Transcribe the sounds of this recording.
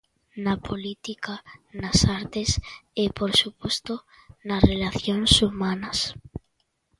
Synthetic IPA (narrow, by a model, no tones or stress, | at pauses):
napʰolit̪ikanasaɾt̪esepoɾsupost̪o | narelaθjonsumanɐs